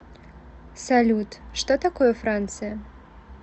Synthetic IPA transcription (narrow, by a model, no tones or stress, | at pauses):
salʲut̪ʂt̪ɔt̪akɔjɛfɾant̪sɨjɐ